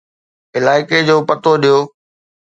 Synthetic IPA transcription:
ɪlaːɪked͡ʑoːpɐt̪oɗijoː

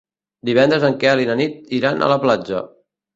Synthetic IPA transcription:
d̪iβɛnd̪ɾəzəŋkɛəlinənit̪̚iɾanʔə̰ləplad͡ʒə̰

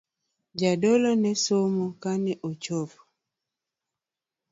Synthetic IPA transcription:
d͡ʒadolonɛsomokanɛʔot͡ʃovo̥

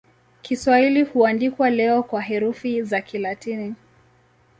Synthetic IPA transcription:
kʰiswahilihuandikwalɛɔkwaɦɛɾufizakʰilatini

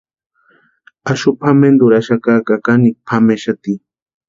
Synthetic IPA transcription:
aʃʊpʰamend̪ʊɾaʃakakakanik̚pʰameʃat̪i

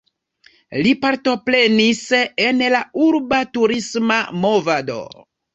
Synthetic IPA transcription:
lipaɾto̞pɾe̞nisenlauɾbatuɾismamovado̰

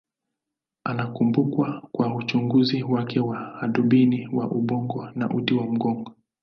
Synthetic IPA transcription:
anakumbukwakwaut͡ʃuŋɡuziwakɛwaːɗuɓiniwaʔuɓɔŋɡɔna̰ʔuɗiwam̩ɡɔŋɡɔ

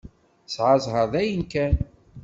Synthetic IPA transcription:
sʕɑzˤɦəɾðæjənkæn

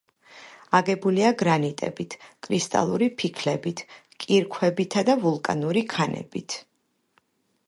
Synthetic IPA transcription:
aɡɛbuliaɡɾanit̪ʼɛ̰bit̪ʰkʼɾist̪ʼa̰lˠuɾipʰikʰlɛbit̪ʰ | kʼiɾkʰwɛbit̪ʰad̪avulˠkʼa̰nuɾikʰanɛ̰bit̪ʰ

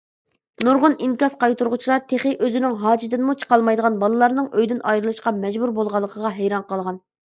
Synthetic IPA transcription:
nuɾʁʊniŋkʲɑsqɑjt̪uɾʁʊt͡ʃʰilˠɑɾt̪ʰeχɪʔøzɪnɪŋɦɑːd͡ʒɪt̪ɪnmut͡ʃʰə̥qɑlˠmɑjd̪əʁɑnbɑlˠɨlˠɑɾnɨŋøjd̪ynʔɑjɾɨlˠɨʃqɑmɛd͡ʒbuɾbolˠʁɑlˠːəqʰəʁɑɦɛjɾɑnqʰɑlˠʁɑn

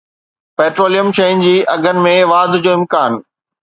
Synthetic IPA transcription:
peːʈɾoːlijəmʃɐən̆d͡ʑiːʔɐɡʱənɪ̆mẽʋaːd̪ʱd͡ʑoːɪ̃mkaːn

